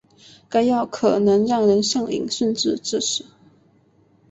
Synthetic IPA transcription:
ka˥ɪjɑ˥˩ʊkʰɤ˨˩nɤ˧˥ŋɻɑ˥˩ŋɻə˧˥nʂjɑ˥˩ŋḭ˨˩ŋɕə˥˧nʈ͡ʂɻ̩˥˧ʈ͡ʂɻ̩˥˩ʂɻ̩˨˩˦

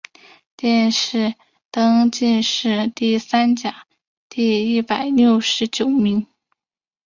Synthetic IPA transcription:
t̪jɛ˥˧nʂɻ̩˥˩ | t̪ɤ˥ŋt͡ɕi˥˧nʂɻ̩˥˧t̪i˥˩sa˥nt͡ɕja˨˩˦ | t̪i˥˧i˥˩pa˨˩˦ɪljo˥˩ʊʂɻ̩˧˥t͡ɕjo˨˩ʊmi˧˥ŋ

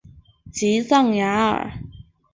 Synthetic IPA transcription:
t͡siː˨˥sɐ˥˩ŋjaː˨˥ə̰˨˩

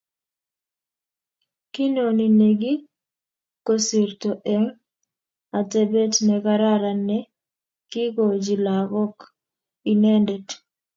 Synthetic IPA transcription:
ki˦no˨ni˨ne˨ɡi˦ | kosi˨rto˨ʔɛ˦ŋ | a˨tɛ˦bɛ˦tnɛ˨ka˦ɾa˦ɾa˨nɛ˦ | ki˦ɡo˨d͡ʒi˨la˨ɡɔ˦k | i˦nɛ˦ndɛ˨t

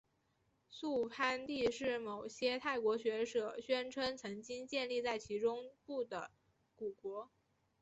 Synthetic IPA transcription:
su˥˧pʰa˥nt̪i˥˧ʂɻ̩˥˩mo˨˩ʊɕjɛ˥t̪ʰa˥˩ɪkwɔ˧˥ɕɥɛ˧˥ʂɤ˨˩ɕɥɛ˥nʈ͡ʂʰə˥nt͡sʰɤ˧˥ŋt͡ɕi˥ŋt͡ɕjɛ˥˧nli˥˧t͡sa˥˩ɪt͡ɕʰi˧˥ʈ͡ʂʊ˥ŋpu˥˩d̪ə˩ | ku˨˩kwɔ˧˥

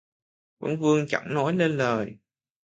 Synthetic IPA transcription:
kə̰˧˥ŋvɨ˧əŋt͡ɕa̰˧˩ŋnɔ˨˦jle˧nləː˨˩j

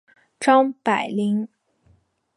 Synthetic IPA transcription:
ʈ͡ʂɑ˥ŋpa˨˩ɪli˧˥ŋ

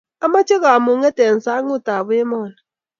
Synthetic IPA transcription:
a˦ma˦t͡ʃʼɛ˦ka˨mu˨˦ŋɛ˦tɛ˨n˨sa˦ŋʊ˦˨ta˨βu˦jɛ˦mɔː˦˨na

